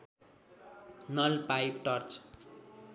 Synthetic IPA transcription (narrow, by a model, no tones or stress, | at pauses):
nʌlpajp̚ʈʌrt͡s